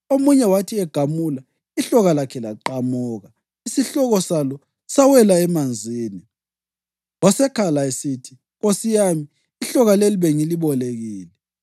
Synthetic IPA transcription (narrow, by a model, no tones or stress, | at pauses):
omuɲɛwatʰiɛɡ̥ʱamula | iɬɔɣalakʰɛlaǃamuːɣa | isiɬɔɣɔsalɔ | sawɛlaɛmand͡zʱiːni | wasɛkʰalaesitʰi̥ | ɣosijamiː | ɬɔɣaleliβeŋiliβɔleɣiːlɛ